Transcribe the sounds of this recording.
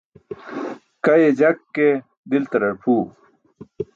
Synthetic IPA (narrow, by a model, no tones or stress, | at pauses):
kɐjed͡ʑɐkːe | d̪ilt̪ɐɾɐɽpʰuː